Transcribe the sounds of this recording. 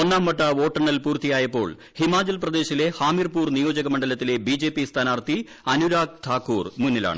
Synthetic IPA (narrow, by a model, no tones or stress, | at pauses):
o̞nːaːmːɐʈːɐo̞ːʈːɐɳɐlpuːrt̪ijaːjɐpːo̞ːɭ | himaːd͡ʑɐlprɐd̪e̞ːɕile̞haːmirpuːrnijo̞ːd͡ʑɐɣɐmɐɳɖɐlɐt̪ːile̞bid͡ʑe̞ːpːist̪ʰaːnaːrt̪i | ɐnuɾaːk̚t̪ʰaːkːuːrmunːila̰ːɳɨ̰